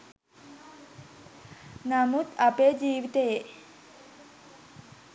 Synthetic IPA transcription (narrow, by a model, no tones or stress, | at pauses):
namut̪apeːd͡ʒiːʋit̪əje